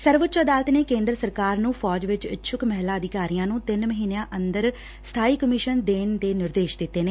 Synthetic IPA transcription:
səɾʋət̪ːt͡ʃəd̪aːlət̪neːkẽːnd̪ɾəsəɾkaːɾnũːfʰɔːd͡ʒʋɪt͡ʃʃʰʊkmɛɦlaːəd̪ɪkaːɾijãːnũːt̪ɪnməɦiːnejãːʔənd̪əɾ | st̪ʰaːiːkəmɪːʃənd̪eːnd̪eːnɪɾd̪eːʃd̪ɪt̪ːeːneː

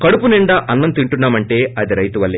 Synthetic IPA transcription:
kɐɽupuniɳɖɐʔɐnːɐnt̪iɳʈunːaːmɐɳʈe̞ːɐd̪iɾɐjt̪uʋɐlːi

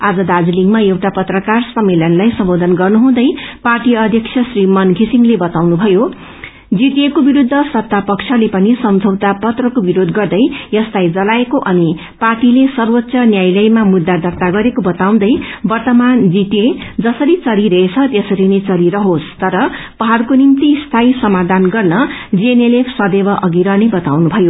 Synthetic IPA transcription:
ad͡zʌd̪ad͡ziliŋɡmaewʈapʌt̪rʌkarsʌmːeljʌnlajsʌmbod̪ʱʌnɡʌrnuɦũd̪ʌjparʈiʌd̪ʱjʌksʰjʌsrimʌnɡʱisiŋlebʌt̪awnubʱʌjo | d͡zit̪jekobiɾud̪ʱːʌsʌt̪ːapʌkt͡ʃʰʌlepʌnisʌmd͡zʱʌwt̪apʌt̪rʌkobiɾod̪ɡʌrd̪ʌjjʌst̪ajd͡zʌlaekoʔʌni | parʈilesʌrwot̪ːsʌnjajlʌjmamud̪ːad̪ʱʌrt̪aɡʌɾekobʌt̪aw̃d̪ʌjbʌrt̪ʌmand͡zit̪ed͡zʌsʌɾit͡sʌɾiɾʌɦet͡sʰʌt̪jʌsʌɾinet͡sʌɾiɾʌɦost̪ʌɾʌ | pʌɦarkonimt̪ist̪ʰajsʌmad̪ʱanɡʌrnʌd͡znelepʰsʌd̪ebʌʔʌɡiɾʌnebʌt̪awnubʱʌjo

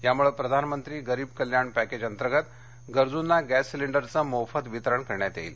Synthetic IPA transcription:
jamuɭepɾəd̪ʱanmənt̪ɾiːɡəɾiːb̚kəljaɳpæked͡ʑənt̪əɾɡət̪ | ɡəɾd͡zunːaɡæsːiliɳɖəɾt͡səmofət̪ʋit̪əɾəɳkəɾɳjat̪jḛiːl

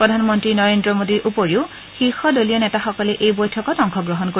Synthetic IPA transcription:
pɹɔdʱanmɔntɹinɔɹendɹɔmodiɹʔupoɹiʊ | xixɔdolijɔnɛtaxɔkɔlɛʔejbojtʰɔkɔtɔŋkʰɔɡɹɔɦɔnko

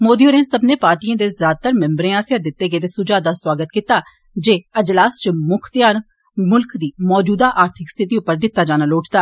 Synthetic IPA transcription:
moːd̪iːoːɾẽːsəbneːpaːɾʈiːãːd̪eːzaːd̪̚t̪əɾmɛ̃mbɾẽːaːsjaːd̪ɪt̪ːeːɡəeːt̪eːsʊd͡ʒaːd̪aːswaːɡət̪kiːt̪aː | d͡ʒeːəd͡ʒlaːst͡ʃmʊkʰt̪jaːn | mʊlkd̪iːmɔːd͡ʒuːd̪aːʔaːɾt̪ʰɪkst̪ʰɪt̪iːʊpːəɾd̪ɪt̪ːaːd͡ʒaːnaloːʈʰt̪aː

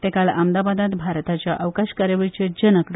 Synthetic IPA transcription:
t̪ẽkalamd̪abad̪at̪bʱaɾt̪at͡ɕjaʔəʋkaɕkaɾjəʋəɭit͡ɕed͡ʑənəkɽ

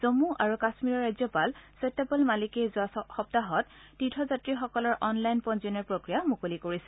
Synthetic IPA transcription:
z̥omuʔaɹukasmiɹɔɹazjɔpalsɔjtepɔlmalikɛjzʊaxɔp̚taɦɔttːitʰɔzatɹixɔkɔlɔɹʔɔnlajnpɔnzɔnɛɹpɹokɹijamukolikoɹisɛ̥

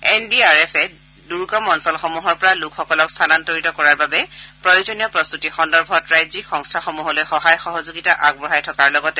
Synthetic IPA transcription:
ɛnbiaɹɛpʰɛ | duɹkɔmɔnsɔlxomuɦɔɹpɔɹalukʰxɔkɔlɔkst̪ʰanantoɹitɔkɔɹaɹbabɛpɹɔjozɔnijɔpɹɔst̪utixɔndɔɹbʱɔtɹajzikxɔŋstʰaxomuɦɔlojxɔɦajxɔɦɔzuɡitaʔaɡ̚bɔɦajtʰɔkaɹlɔɡɔtɛ

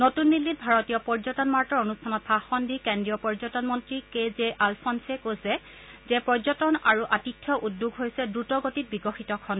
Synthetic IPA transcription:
notunːilːit̚bʱaɹɔtijɔpɔɹzɔtɔnmaɹtɔɹonustʰanɔt̚pʰaxɔndikendɹijɔpɔɹzɔtɔnmɔntɹikezeʔalpʰɔnsɛkojsɛ | zɛpɔzɔtɔnaɹuʔatitʰːjɔʔudːuɡɦojsɛdɹutɔɡotit̚biɡɔxitɔkʰɔn

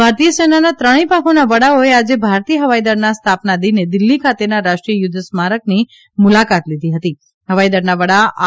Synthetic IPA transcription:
bʱaɾt̪ijəsenanat̪ɾəɽ̃ipãkʰonaʋəɽaoead͡ʒebʱaɾt̪ijəɦəʋajd̪əɾnast̪ʰapnad̪ined̪ɪlːikʰat̪enaɾaʃʈɾijəjʊd̪ʱəsmaɾək̚ni | mulakat̪lid̪ʱiɦət̪i | ɦəʋaid̪əɾnaʋəɽa

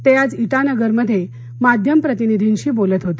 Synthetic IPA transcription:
t̪ejad͡ziʈanəɡəɾməd̪ʱːje | mad̪ʱjəmpɾət̪inid̪ʱinɕiːbolət̪ɦot̪i̥

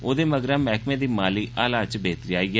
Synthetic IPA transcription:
oːd̪eːməɡɾãːmɛːkmẽːd̪iːmaːliːʔaːlaːt͡ʃbeːt̪ɾiaːiːɛː

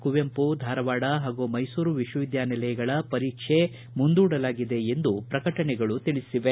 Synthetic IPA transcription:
kuʋempud̪ʱaːɾɐʋaːɽɐɦaːɡumɐjsuːɾuʋiʃwɐʋid̪jaːnɛlɐjɐɡɐɭɐpɐɾiːkʂe̞ | mund̪uːɽɐlaːɡid̪e̞end̪upɾɐkɐʈɐɳɛɡɐɭut̪iɭisiʋe

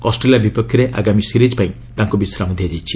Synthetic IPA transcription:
kɔsʈelijabipɔkʰjɔɾeʔa̰ɡamisiɾid͡ʒpaĩ | t̪aŋkubisɾamɔd̪ʱjad͡ʒajt͡ʃʰi̥

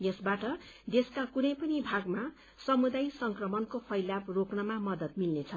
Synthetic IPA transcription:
jʌsbaʈʌ | d̪eskakunʌjpʌnibʱaɡma | sʌmud̪ajsʌŋkrʌmʌnkopʰʌjlaproknʌmamʌd̪ʌt̪̚milnet͡sʰʌ

